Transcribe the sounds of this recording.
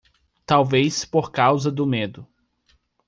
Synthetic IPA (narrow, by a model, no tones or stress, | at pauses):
t̪awvejspoɾkawzɐd̪ʊmed̪ʊ